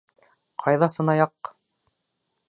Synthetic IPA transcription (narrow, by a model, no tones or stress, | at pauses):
qʰɑjðɑsɤ̆nɑjɑqː